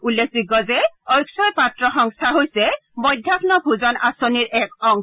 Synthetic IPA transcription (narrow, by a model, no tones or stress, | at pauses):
ulːek̚sikɔzɛɔjksɔjpatɹɔxɔŋst̪ʰaɦojsɛbɔjdʱjakʰnɔbʱuzɔnasoniɹɛkɔŋ